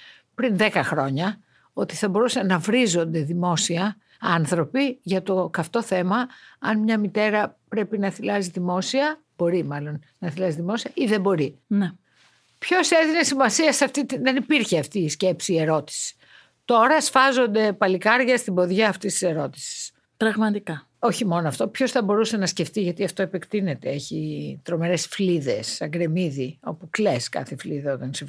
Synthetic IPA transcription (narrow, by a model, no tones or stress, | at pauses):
pɾinðe̞kɐxɾo̞ɲɐ | o̞t̪iθɐbo̞ɾusɐnɐvɾizo̞nd̪e̞ðimo̞siɐ | ɐnθɾo̞piʝɐt̪o̞kɐft̪o̞θe̞mɐɐnmɲɐmit̪e̞ɾɐpɾe̞pinɐθilɐziðimo̞siɐ | b̥o̞ɾimɐlo̞n | nɐθilɐziðimo̞siɐʔiðe̞bo̞ɾine | pço̞se̞ðinesimɐsiɐsɐft̪it̪iðe̞nipiɾçeɐft̪iːsce̞psiːe̞ɾo̞t̪i̥si̥ | t̪o̞ɾɐsfɐzo̞nd̪e̞pɐlikɐɾʝɐst̪ibo̞ðʝɐːft̪ist̪i̥se̞ɾo̞t̪i̥si̥s | t̪ɾɐɣmɐt̪ikɐ | o̞çimo̞noɐft̪o̞pço̞sθɐbo̞ɾuse̞nɐsce̞ft̪iʝɐt̪iɐft̪o̞epekt̪ine̞t̪e̞eçit̪ɾo̞me̞ɾesfliðe̞sɐɡɾe̞miðio̞̰pukleskɐ̰θefliðɐot̪ɐnsi